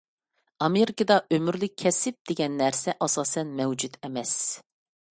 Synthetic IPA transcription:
ɑmeɾɪkɨd̪ɑʔømyɾlɪkʲʰːɛsɪp̚d̪̥eɡʲɛnːæɾsɛʔɑsɑːsɛnmɛwd͡ʒud̪ɛmɛs

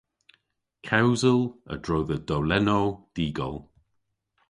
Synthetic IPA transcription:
kʰawzəlˠə̰d̥ɹowðəd̥olɛnod̥iːɡɔ̰lˠ

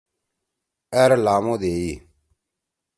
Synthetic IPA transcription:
ɛɾlaːmõːd̪eːiː

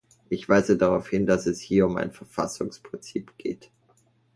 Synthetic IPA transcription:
ʔɪçv̥aɪzədaʁaʊfhɪndasɛshiːɐʊma̰ɪnfɛɐfa̰sʊŋspʁ̥ɪnt͡siːpɡ̥ḛːt

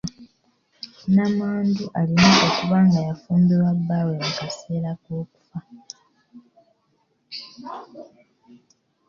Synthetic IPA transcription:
namaːnduʔalinoʔokuβaŋɡajafuːmbiwabːawe̞mukase̞ːlakwo̞ːku̥fa

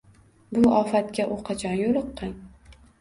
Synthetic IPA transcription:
bʊɒfat̪kʲaʔʊqʰɑt͡ʃʰɒnjolɨqːɨŋ

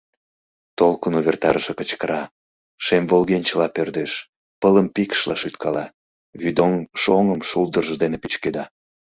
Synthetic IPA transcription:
t̪olkənuβert̪ɑɾəʃekət͡ɕkəɾɑ | ʃemvolɣenʲt͡ɕəlɑpørd̪eʃ | pələmpikʃlɑʃyt̪kɑlɑ | βyd̪oŋʃoŋəmʃuld̪ərʒəd̪enepit͡ɕked̪ɑ

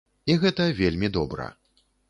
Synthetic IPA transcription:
iɣɛt̪ɐvʲelʲmʲid̪ɔbɾɐ̰

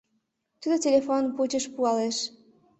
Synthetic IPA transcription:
t̪ud̪otʲelʲefonput͡ɕə̆ʃpuɑleʃ

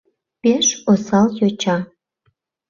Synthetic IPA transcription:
peʃosɑljot͡ɕɑ

